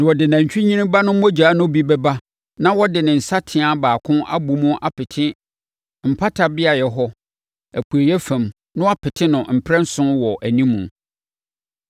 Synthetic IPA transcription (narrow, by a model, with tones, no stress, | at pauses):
ñ˨wɔ˨dɪ˨nã˨ɲ̩˨t͡ɕᶣɪ˦ɲĩ˦nĩ˦ba˦nʊ̃˦m˦ɔ˦d͡ʑaː˨˦nʊ̃˦bi˦bɛ˦ba˦ | nã˦wɔ˦dɪ˨nɪ̃˨n̩˨sa˦tʰɪ̃˨a˨baː˨kʰʊ̃˦ʔa̰˦bu˨mũ˦ʔa˨pʰɪ˨tʰɪ˦ | m̩˨pʰa˦tʰa˨bɪ˦a˨jɛ˨ɦɔ˦ | æ˨pʰu˨e˨jɛ˦fæ̃˨m | nʊ̃˦a˦pʰɪ˨tʰɪ̃˦nʊ̃˨m̩˨pʰɾɛ̃˦n̩˦sʊ̃˦wɔ˨ʔæ˨nĩ˦mũ˨